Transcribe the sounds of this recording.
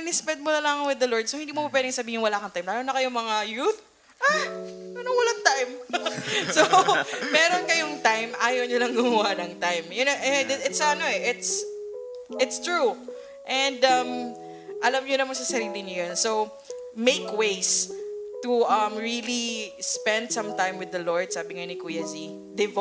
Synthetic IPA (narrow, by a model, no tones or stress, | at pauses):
ɪnɪspɛd̪̚mʊnɐlaŋɐŋwɪd̪ːɐloɹd̪̚sowhɪnd̪iːmomɐpwɛːd̪ɪŋsɐbiːhɪnwɐlaːkɐŋt̪ajmlaːjonɐkɐjomɐŋajuθ | ʔaɐnoŋwɐlaŋt̪ajm | somɛːɾonkɐjoŋt̪ajmʔaːjowɲʊlɐŋɡʊmɐwanɐŋt̪ajmjʊnɛʔɛd̪ɛɪt̪sɐnoɛʔɪt̪s | ʔɪt̪st̪ɹu | ʔɛ̃nd̪ɐm | ʔɐlɐmɲʊnɐmaŋsɐsɐɾiːlɪɲʊjonsow | mejkwejst̪uʔɐmɹilispɛ̃nd̪sɐ̃mt̪ãjmwɪðɐloɹd̪̚saːbɪŋɐjonɪkujɐzi | d̪ɪv